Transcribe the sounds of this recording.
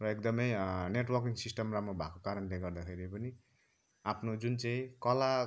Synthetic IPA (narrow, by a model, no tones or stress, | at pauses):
rʌekd̪ʌmʌjneʈwʌrkiŋsisʈʌmramɾobʱakokaɾʌnleɡʌrd̪akʰeɾipʌni | apʰnod͡zunt͡saĩkʌla